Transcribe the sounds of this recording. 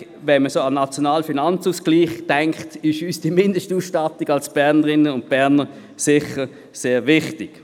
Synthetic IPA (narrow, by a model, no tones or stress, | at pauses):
vɛnməsoːɑnːɑt͡sjɔnaːlfinɑnt͡suːsɡ̥liːχd̥ɛŋktɪʃyːsd̥imɪndəʃtuːsʃtɑtiɡ̥ɑlsb̥ɛɐnəʁɪnənʊnt̚b̥ɛɐnə | sɪχə | seːvɪχtɪk